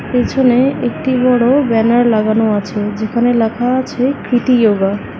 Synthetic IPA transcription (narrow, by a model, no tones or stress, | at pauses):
pet͡ʃʰoneek̚ʈibɔɽobɛnaɾlaɡanuat͡ʃʰed͡ʒekʰanelakʰaːt͡ʃʰekɾiʈ̪ijoɡa